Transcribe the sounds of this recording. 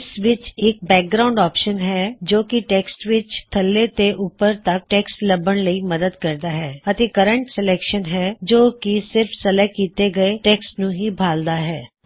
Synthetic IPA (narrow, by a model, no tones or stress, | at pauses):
sʋɪt͡ʃɪk̚bɛːk̚ɡɾaːʊɳɖɔːpʃənɦɛːd͡ʒoːkiʈɛːksʈʋɪt͡ʃt̪ʰəlːet̪eʔʊpəɾt̪ək̚ʈɛːksʈləbəɳləiːməd̪əd̪kəɾd̪aːɦɛːət̪ekəɾə̃ɳʈsɛlɛːkʃənɦɛːd͡ʒoːkisɪɾfʰsəlɛːk̚kːiːt̪eɡəeʈɛːksʈnũɦibʱaːld̪aːɦɛː